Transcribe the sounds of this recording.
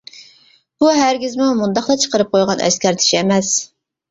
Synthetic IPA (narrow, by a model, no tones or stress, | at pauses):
b̥uɦæɾɡʲizmumund̪ɑχt̪ɑt͡ʃʰə̥qəɾɨp̚qʰojʁɑnʔɛ̰skʲæɾt̪ʰɪ̥ʃiɛmɛs